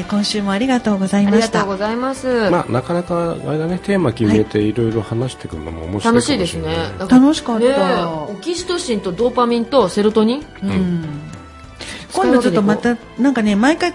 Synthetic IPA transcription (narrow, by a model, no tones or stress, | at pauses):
kõ̞ɰ̃ɕɨːmo̞aɾʲiɡat̪o̞ːɡo̞zaiaɾmaɕat̪aːɡozaimasɨma̰ːnakanakaa̰jd̪anet̪e̞ːmakʲimet̪e̞iɾo̞iɾo̞hanaɕi̥t̪e̞kɯɯ̰no̰mo̰moɕianoɕiːd̪esɨneat̪ano̞ɕi̥kaːaokʲiɕi̥t̪oɕĩnt̪o̞d̪oːpamʲĩnt̪o̞se̞ɾot̪o̞ɲ̟iɯ̃ɴ | kõ̞ddot͡ɕot̪ːomat̪a | nãŋkane̞maikai